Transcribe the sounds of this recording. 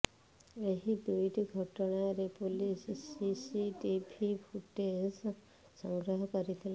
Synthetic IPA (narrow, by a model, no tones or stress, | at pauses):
eɦid̪ujʈiɡʱɔʈɔɽ̃aɾepolissisiʈipʰipʰuʈes | sɔŋɡɾɔɦɔkɔɾit̪ʰila